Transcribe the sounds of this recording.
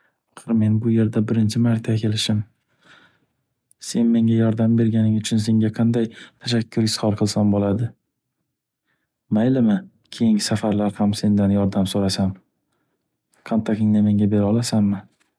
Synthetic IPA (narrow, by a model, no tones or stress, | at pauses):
ɑχɨɾme̞nbʊje̞ɾd̪abɪɾɪnt͡ʃʰɪmaɾt̪ʰːakʲʰe̞lɪʃɪm | se̞nme̞ŋʲajɒɾd̪ambe̞ɾɡʲanɪŋʊt͡ʃʰʊnse̞ŋɡʲaqʰɑnd̪ajt̪ʰaʃakʲʰːʊɾɪshɒɾˠqʰɨlˠsambolad̪ɪ | majlɪmɪ | kʲʰe̞jɪŋsafaɾlaɾhamse̞nd̪anjɒɾd̪amsoɾasam | qʰant̪ʰakʲɪŋnɪme̞ŋɡʲabe̞ɾɒlˠasamːɪ